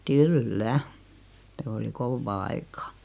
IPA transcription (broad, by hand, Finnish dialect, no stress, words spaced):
kylːæ se oli koʋːɑː ɑikɑː